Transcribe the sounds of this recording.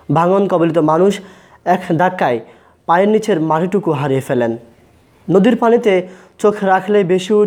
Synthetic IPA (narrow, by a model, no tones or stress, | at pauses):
bʱaŋonkɔbolit̪omanuʃ | ɛkʰd̪ʱakːae | pajeɾnit͡ɕʰeɾmaɾʰiʈukuɦaɾiefelenː | od̪iɾpanit̪e | t͡ɕokʰɾakʰlebeʃu